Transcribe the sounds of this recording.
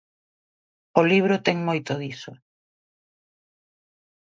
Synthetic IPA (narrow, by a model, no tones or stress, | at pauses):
ʊliβ̞ɾʊt̪ɛŋmojt̪oðiso